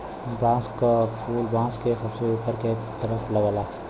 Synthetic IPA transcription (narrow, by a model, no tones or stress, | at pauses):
bãːskəpʰuːlbãːskesəbseupəɾke | t̪əɾəpʰləɡəla